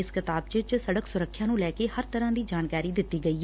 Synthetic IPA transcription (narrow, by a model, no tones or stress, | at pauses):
ɪskɪt̪aːb̚t͡ʃət͡ʃsəɽəksʊɾəkʰːjãːnũːlɛːkeːhəɾt̪əɾãːd̪iːd͡ʒaːnkaːɾiːd̪ɪt̪ːiːɡəiː